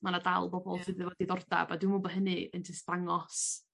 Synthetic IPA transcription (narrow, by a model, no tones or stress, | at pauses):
manadalˠbɔbɔlˠtʰɨdɨwɛdiðɔrda̰badɪwmɔbɔɦənɨəntʰɪsd̥aŋɔs